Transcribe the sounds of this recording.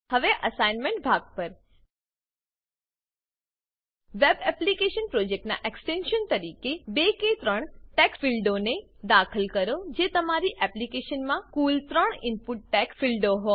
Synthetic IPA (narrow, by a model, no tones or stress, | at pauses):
hɐʋeʔɐsaːɪnmẽɳʈ̚bʱaːɡ̚pəɾ | ʋebɛplikeʃənpɾoːd͡ʑek̚ʈna̰ʔeksʈẽnʃənt̪ɐɾiːkebekẽt̪ɾəɽ̃ʈɛːkfɪlɖone | d̪aːkʰəlkɐɾod͡ʒeːt̪ɐmaːɾiʔɛplikeːʃənmãkuːlt̪ɾəɽ̃ɪnpʊʈ̚ʈɛkfilɖoɦoː